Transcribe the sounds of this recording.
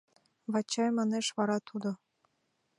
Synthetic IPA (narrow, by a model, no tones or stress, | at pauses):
βɑt͡ɕɑjmɑneʃβɑɾɑt̪ʰud̪o